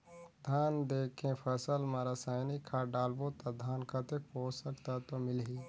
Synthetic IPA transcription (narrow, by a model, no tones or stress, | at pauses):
d̪ʱaːnd̪eːkʰẽpʰɐsəlmaɾasajnikʰaːɖaːlbot̪ad̪ʱaːnkʰɐt̪ek̚poːsɐkt̪at̪omɪlɦiː